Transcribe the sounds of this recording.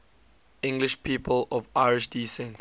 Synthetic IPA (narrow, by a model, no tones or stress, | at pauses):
ɪ̃ŋɡlɪʃpʰiːpʰəlɔvaɪɹɪʃdiːsɛ̃nt